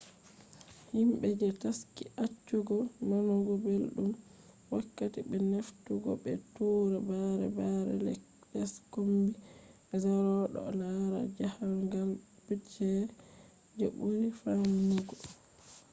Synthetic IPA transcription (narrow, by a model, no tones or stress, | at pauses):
himbɛd͡ʒɛtaskiʔat͡ʃːuɡɔnɔnɔɡɔbelɗum | wakːatibɛneftuɡɔ̰bɛtuːɾɛbaɾɛ̰baɾɛ̰lɛ̰ | d͡ʒaskombi | ɛzaɾɔɗɔ̰laɾa̰d͡ʒahaŋɡal | b̥ud͡ʒɛ | d͡ʒebuɾifanniɡɔ